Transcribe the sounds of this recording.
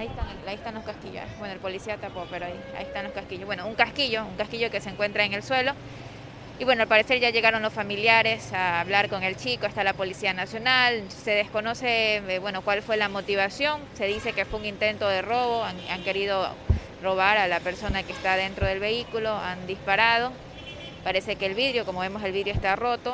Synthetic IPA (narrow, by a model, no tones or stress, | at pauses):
aiest̪aŋeaiest̪anlo̞skaskiʝo̰bwenoelpo̞lisiat̪apope̞ɾoaia̰iest̪anlo̞skaskiʝoβwenouŋkaskiʝo̞uŋkaskiʝo̞ke̞seŋkwe̞nt̪ɾaeŋe̞lswe̞lo̞ | iβwenoalpaɾe̞se̞ɾʝaʝe̞ɣaɾo̞nlo̞sfamiljaɾe̞saːβlaɾko̞ŋe̞lt͡ʃikoest̪alapo̞lisianasjo̞nalse̞ð̞e̞sko̞no̞se̞βwe̞no̞kwalfwe̞lamo̞t̪iβasjo̞ŋse̞ðise̞ke̞fweuŋint̪e̞nt̪o̞ð̞e̞ro̞βo̞aŋaŋke̞ɾiðo̞ | ro̞β̞aɾalape̞ɾso̞nakeːst̪aðe̞nt̪ɾo̞ð̞e̞lβe̞ikulo̞and̪ispaɾað̞o̞ | paɾe̞se̞ke̞ːlβiðɾjo̞komoβemo̞se̞lβiðɾjoest̪aro̞t̪o̞